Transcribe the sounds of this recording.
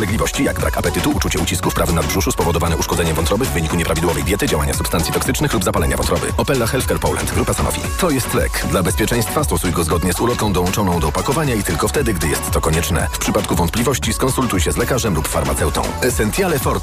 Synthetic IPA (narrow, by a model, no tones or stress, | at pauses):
lɛɡlʲivɔɕt͡ɕijaɡbɾa̰kapɛt̪ɘt̪uut͡ʂut͡ɕɛut͡ɕiskufpɾavɘnad̪bʐuʂuspɔvɔd̪ɔvanɛʔuʂkɔd̪ɛɲɛmvɔnt̪ɾɔvɘvːɘɲikuɲɛpɾavʲid̪wɔvɛjd̪ʲjɛt̪ɘd͡ʑawaɲa̰supst̪ant̪sʲit̪ɔksɘt͡ʂnɘxlubzapalɛɲavɔnt̪ɾɔvɘ̰ɔpɛlːaxɛlfkɛɾpɔwlɛ̰nt̪ɡɾupasanɔ̰vʲḭt̪ɔjɛst̪lɛ̰kd̪labɛspʲjɛt͡ʂɛj̃st̪fast̪ɔsujɡɔzɡɔd̪ɲɛzulɔkɔ̃w̃d̪ɔwɔnt͡ʂɔnɔ̃w̃d̪ɔːpakɔvaɲait̪ɘlkɔft̪ɛd̪ɘɡd̪ɘjɛ̰st̪ːɔkɔɲɛt͡ʂnɛ̰fpʂɘpat̪kuvɔnt̪plʲivɔɕt͡ɕiskɔnsult̪ujɕɛzlɛkaʐɛmlupfa̰ɾma̰t̪sɛwt̪ɔ̰̃w̃ɛsɛnt̪sʲjalɛfɔɾt̪